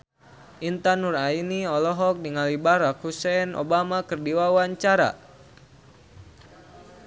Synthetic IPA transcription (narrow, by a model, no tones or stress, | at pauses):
ʔint̪anurainiɔlɔɦɔk̚niŋalibaɾakhusɛnʔo̰bamakɨrdiwawaɲt͡ʃaɾa̰